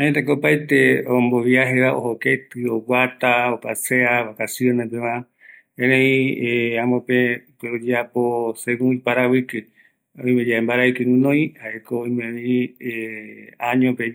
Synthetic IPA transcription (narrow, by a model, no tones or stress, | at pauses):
ãɲet̪ekopajt̪eomboβiaɦeβaʔo̰hoket̪ɨowat̪aopaseaβakasionẽp̬eʋã | ẽɾẽĩãmõpepeod͡ʒeaposekũĩpaɾaβɨkɨ | õĩmẽd͡ʒaembaɾaikɨnũnõĩhaʔekoːĩmẽβĩ | ãɲõpe